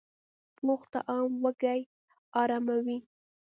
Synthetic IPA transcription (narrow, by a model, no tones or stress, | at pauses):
ploxt̪a̰ʔɑmwəɡaj | ɑɾamawi